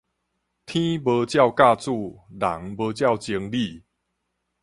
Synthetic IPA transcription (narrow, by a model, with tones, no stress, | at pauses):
t̪ʰĩ˦bə˧˦t͡ɕja˥˨ʊka˥˧t͡su˥˧˨la̰˨˩˦ŋbə˧˦t͡ɕja˥˨wt͡ɕi˧ŋli˥˨